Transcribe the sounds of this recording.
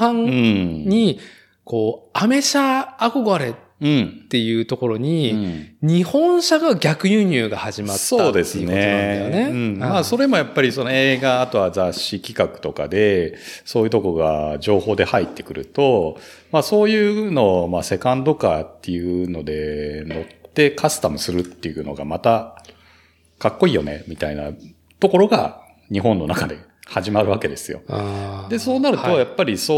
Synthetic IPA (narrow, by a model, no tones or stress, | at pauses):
hãŋɯ̃ɲi | ko̞ːame̞ɕaːko̞ɡaɾe̞t̪ɯ̟̃ɴt̪ːe̞jɯ̟ːt̪o̞ko̞ɾo̞ɲ̟iɲ̟ihõ̞ɰ̃ɕaɡaɡʲakɯ̟jɯɲ̟ɨːɡahaʑimat̪oaːd̪e̞seɨneoãjone̞ɯ̟̃ɴmaso̞ɾe̞mo̞japːaɾʲiso̞no̞eːɡaːt̪o̞βad͡zaɕːikʲi̥kakɯ̟̥t̪o̞ka̰d̪e̞soːjɯ̟t̪o̞koɾɡa̰d͡ʑo̞ːho̞ːd̪e̞hait̪ːe̞̥kɯ̟ɾɯ̟t̪o̞ | maso̞ːjɯːno̞mase̞kãnt̪o̞kat̪ːe̞jɯ̟no̞d̪e̞no̞t̪ːe̞kʰasɨ̥t̪amɯ̟sɨɾɯ̟t̪ːe̞jɯ̟no̞̰ɡa̰mat̪a | kakːo̞iːjo̞̰ne̞̰mʲit̪aina̰ | t̪o̞ko̞ɾo̞ɡa̰ | ɲ̟iɦõ̞nːo̞nakad̪e̞ | haʑimaɾɯ̟β̞ake̞d̪e̞sɨjo̞̰d̪e̞so̞ːnaɾɯ̟t̪o̞japːaɾʲiso